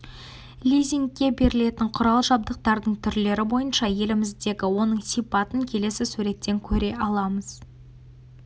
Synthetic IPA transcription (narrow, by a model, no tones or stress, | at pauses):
lʲijzʲiŋkʲːe̞be̞ɾɪle̞t̪ɪɴqʰʊɾɑlˠʒɑb̚d̪əq̚t̪ɑɾd̪əɴt̪ʰʏɾle̞ɾɪbo̞jənʃɑje̞lɪmɪzd̪e̞ɡʲɪwo̞nəɴsijpɑt̪əŋkʲʰe̞le̞sɪsʉɾe̞t̪ːe̞ŋkʲʰɵɾe̞ɑlˠɑməz̥